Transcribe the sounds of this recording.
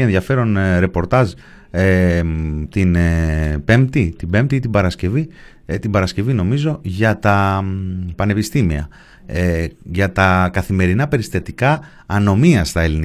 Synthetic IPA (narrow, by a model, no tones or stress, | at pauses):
enðʝɐfe̞ɾo̞nɾe̞po̞ɾt̪ɐz | t̪inpe̞mt̪it̪ibe̞mt̪iit̪ibɐɾɐsce̞vi | t̪ibɐɾɐsce̞vino̞mizo̞ʝɐt̪ɐ | pɐne̞pist̪imiɐ̰ | ʝɐt̪ɐkɐθime̞ɾinɐpe̞ɾist̪ɐt̪ikɐː | no̞miɐst̪ɐe̞lini